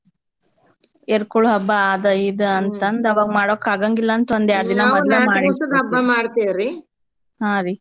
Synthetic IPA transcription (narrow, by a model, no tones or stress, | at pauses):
eɾkoɭuɦɐbːɐaːd̪ɐid̪ɐɐnt̪ɐnd̪ɐʋaːɡmaːɽoːkːaːɡɐŋɡilːɐːnt̪ɐɐnd̪jaːɾd̪inɐmɐlemaːɽisɐd̪ɦɐbːɐmaːɽt̪ejɾi | hãːɾi